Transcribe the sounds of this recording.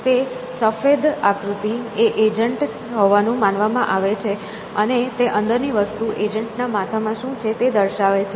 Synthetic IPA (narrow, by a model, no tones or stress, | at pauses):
t̪e | səfed̪akɾut̪ieʔed͡ʒəɳʈ | ɦɔʋanũmanʋamãʔaʋet͡ʃʰe | ənet̪eʔənd̪əɾniʋəst̪uʔed͡ʒəɳʈnamat̪ʰamãʃũt͡ʃʰet̪ed̪əɾʃaʋet͡ʃʰe